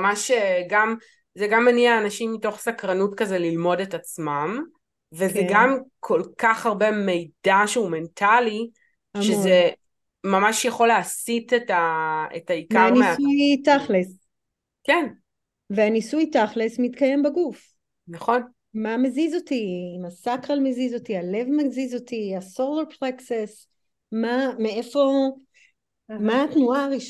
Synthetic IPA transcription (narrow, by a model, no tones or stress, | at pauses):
amaʃeɡam | zeɡamːaniaːnaʃimːito̞χsakʁanutkazelilmo̞detat͡smam | vezeɡamkʰo̞lkaχaʁbe̞me̞jdaʃeume̞ntʰali | ʃeze | mamaʃjaχo̞leasitetaḛtaikaʁanieujtaχles | ken | veanisujtaχlesmit̪kaje̞mbeɡuf | naχo̞n | mamezizo̞timasakʁalmezizo̞tiale̞vmezizo̞tiasoleʁpʁekses | mamee̞fo̞ | maːtnuaʁiʃ